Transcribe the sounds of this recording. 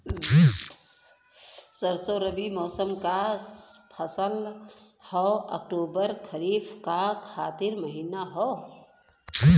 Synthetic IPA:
səɾsoɾəbimɔːsəmka | pʰəsəlhɔə̰k̚ʈoːbəɾkʰəɾiːfʰkakʰaːt̪ɪɾməɦiːnaɦɔː

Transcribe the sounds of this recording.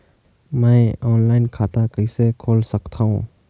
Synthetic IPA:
mɛ̃ɔːnlaːɪnkʰaːt̪akəɪsekʰoːlsəkt̪ʰaɦṵ̃

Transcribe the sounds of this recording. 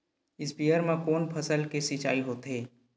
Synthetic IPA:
ɪsbijəɾmẽkoːnpʰəsəlkesit͡ʃa̰ːiɦoːt̪ɦeː

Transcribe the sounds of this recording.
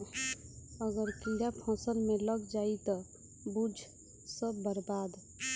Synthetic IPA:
əɡəɾkiɾapʰɔ̃ːsəlmẽləɡd͡ʒaːit̪ɔ | bud͡ʒʱ | səbːəɾbaːd̪

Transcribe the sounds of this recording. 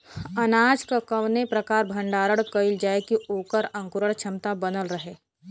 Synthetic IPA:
ɐnaːd͡ʒkakəʋnepɾɐkaːɾbʱɐ̃ɳɖaːɾəɽkəɪld͡ʒaːekiʔoːkəɾɐ̃ŋkʊɾəɽt͡ʃʰɐmt̪abɐnəlɾɐɦeː

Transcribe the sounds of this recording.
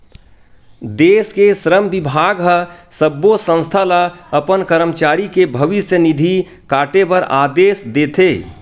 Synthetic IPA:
d̪eːskesɾəmbɪbʱaːɡɦəsəbːosə̃nst̪ʰalaɐpənkəɾəmt͡ʃaːɾikebʱəʋɪsjənɪd̪ʱi | kaːʈepəɾaːd̪eːsd̪eːt̪ʰeː

